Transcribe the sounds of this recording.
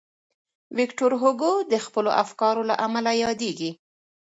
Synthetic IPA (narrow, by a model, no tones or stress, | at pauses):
wɪkʈoɾɦoɡod̪əxpəlo̰ʔafkɑɾola̰ʔamalajɑd̪eɡi